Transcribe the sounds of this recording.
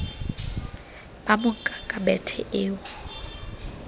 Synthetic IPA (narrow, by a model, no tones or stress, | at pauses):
bamʊkʼakʼabɛtʰɛʔɪːwʊ